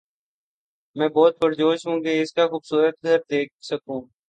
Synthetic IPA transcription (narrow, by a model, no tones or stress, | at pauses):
mɛ̃ːbɔːt̪̚bəɾd͡ʒoːʃɦũːkeɪskaxuːbsuːɾət̪̚ɡəɾ̚d̪eːk̚səkũː